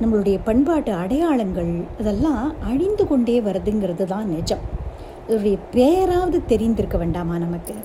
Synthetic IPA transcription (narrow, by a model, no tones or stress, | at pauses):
nɐmːɐɭɯɽɐjɐpɐɳbaːʈːɯɐɽɐjaːɭɐŋɡɐɭɐðɛlːãːɐɻɪnd̪ɯkɔɳɖeːʋɐɾɐðɯŋɡɪɾɐðɯt̪ãːnnɛd͡ʒːɐm | ɪðɾɯɽɐjɐpeːjɐɾaːʋɐðɯt̪ɛɾɪnd̪ɪɾɯkːɐʋeːɳɖaːmaːnɐmɐkːɯ